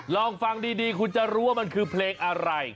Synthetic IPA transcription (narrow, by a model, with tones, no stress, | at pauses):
lɔː˧˩ŋfa˧ŋdiː˧diː˧kʰu˧nt͡ɕa˨ɾuː˦˥wa˥˩ma˧nkʰɯː˧pʰleː˧ŋʔa˧ɾa˧j